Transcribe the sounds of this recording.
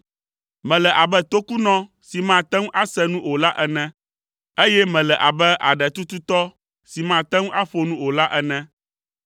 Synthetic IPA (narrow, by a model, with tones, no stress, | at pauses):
mɛ̃˨lɛ˨ʔa˨bɛ˦t̪o˦ku˦nɔ̃˦ | si˨mã˦˨t̪ɛ˦ŋ˦ʔa˦sɛ˦nũ˦o˨la˦ʔɛ˦nɛ̃˦ | e˦jɛ˦mɛ̃˨lɛ˨ʔa˨bɛ˦ʔa̰˨ɖɛ˨t̪u˦t̪u˦t̪ɔ˦ | si˨mã˨t̪ɛ̃˦ŋ̃˦ʔa˦ɸo˨nũ˦o˨la˦ʔɛ˨nɛ̃˦